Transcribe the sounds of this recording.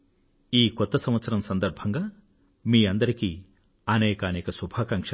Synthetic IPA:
iːkɔt̪ːɐsɐ̃mʋɐt̪sɐɾɐmsɐnd̪ɐɾbʱɐŋɡaː | miːɐnd̪ɐɾiki | ɐnɛːkɐːnɛːkɐsubʱaːkɐŋkʂɐ

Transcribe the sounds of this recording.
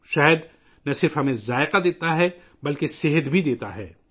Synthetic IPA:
ʃɛɦəd̪ | nɐsɪɾfɦɐmẽzaːɪqad̪eːt̪aɦɛ | bɐlkesɪɦəd̪bʱid̪eːt̪aɦɛ̰ː

